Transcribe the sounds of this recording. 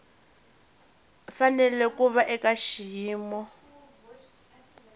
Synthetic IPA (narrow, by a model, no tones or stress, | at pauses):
fanɛlɛkuβaʔɛkaʃijiːmɔ